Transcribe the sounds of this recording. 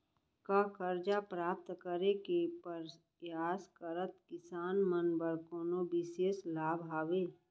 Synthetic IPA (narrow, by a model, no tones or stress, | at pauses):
kakəɾd͡ʒapɾaːp̚t̪kəɾekepəɾ | jaːskəɾət̪kɪsaːnmənbəɾkoːnobɪʃeːslaːbʱɦaːʋeː